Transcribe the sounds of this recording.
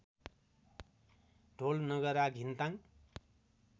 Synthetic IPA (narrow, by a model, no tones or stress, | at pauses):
ɖʱolnʌɡʌɾaɡʱint̪aŋ